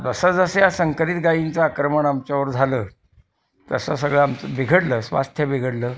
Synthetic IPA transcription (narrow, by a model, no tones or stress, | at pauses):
t̪əsəd͡zəsəjasəŋkəɾit̪ɡajint͡saːkɾəməɳamt͡ɕjaʋəɾd͡zʱaləː | t̪əsəsəɡɭəamt͡səbiɡʱəɽləːsʋa̰st̪ʰjəbiɡʱəɽləː